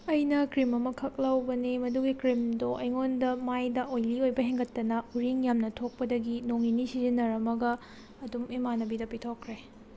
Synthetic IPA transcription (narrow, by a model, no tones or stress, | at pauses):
ɐjnɐkɾimɐmɐkʰɐk̚lɐwbɐnimɐduɡikɾimdoʔɐjŋondɐmajdɐʔojliojbɐɦeŋɡɐtːɐnɐuɾiŋjamnɐtʰok̚pɐdɐɡinoŋinisizinɐɾɐmɐɡɐ | ɐdumemanɐbidɐpitʰokʰɾe